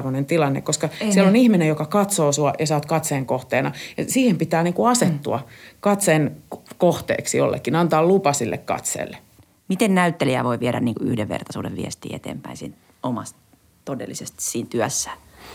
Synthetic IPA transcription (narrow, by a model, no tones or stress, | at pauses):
ʋonent̪ilɑnːḛkkoskɑsiɛlonihminejokɑkɑt̪soːsuɑjɑsɑːt̪kɑt̪seːŋkoht̪eːnɑjɑsiːhempit̪æːniːŋkuɑset̪ːuɑ̰kɑt̪senkoht̪ḛːksijo̰lːḛkːinɑnt̪ɑːlupɑsilːʔḛkkɑ̰t̪sḛːlːe | mit̪ennæyt̪ːeliæ̰ʋoiʋiɛɾæ̰nniːŋkuy̰hdeʋʋḛrt̪ɑsṵːdḛʋʋḭɛst̪ḭːḛt̪ḛːmpæĩnsḭːn | omɑst̪ | t̪odḛlːisest̪i̥ssiːnt̪yæsːæ̥